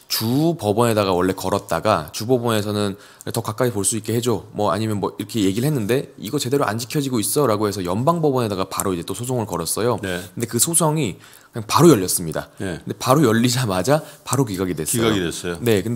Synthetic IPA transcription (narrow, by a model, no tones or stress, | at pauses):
t͡ɕupʌbʌne̞daɣawʌɭːe̞kʌɾʌt̚t͈aɡat͡ɕubʌbʌne̞sʰʌnɯn | tʌkak͈aipoɭs͈uik͈̚e̞he̞d͡ʑomwʌa̰ɲimjʌnmwʌiɾʌkʰe̞je̞ɡiɾɯɭhe̞nːɯnde̞ḭɡʌt͡ɕe̞de̞ɾoʔa̰nd͡ʑi̥kʰjʌd͡ʑiɡois͈ʌɾaɡoɦe̞sʰʌjʌmbaŋbʌbʌne̞daɡapaɾoid͡ʑe̞t͈osʰosʰoŋɯɭkʌɾʌs͈ʌjokɯnde̞kɯsʰosʰʌŋi | kɯɲaŋpaɾojʌʎːʌs͈ɯmɲida̰neɯndepaɾojʌʎːid͡ʑamad͡ʑapaɾokiɡaɡidwes͈iaɡides͈ʌone̞kɯnde